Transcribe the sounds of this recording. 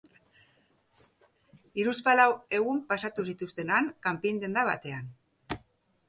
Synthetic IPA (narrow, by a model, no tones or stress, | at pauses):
iɾuspalawe̞ɣ̞umpasat̪usit̪ust̪e̞naŋkampind̪e̞nd̪aβa̰t̪e̞an